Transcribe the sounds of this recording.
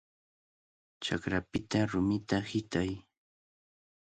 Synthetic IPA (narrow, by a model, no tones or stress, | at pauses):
t͡ʃakɾapɪt̪aɾʊmɪt̪ahɪt̪aj